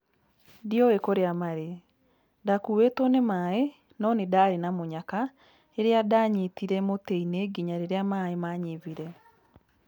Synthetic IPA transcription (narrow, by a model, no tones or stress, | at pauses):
diɔwekoɾeamaɾe | dakuwetonemae | nɔnedaːɾenamoɲaka | eɾeadaɲetiɾɛmoteineɡiɲaɾeɾeamaːemaɲeviɾɛ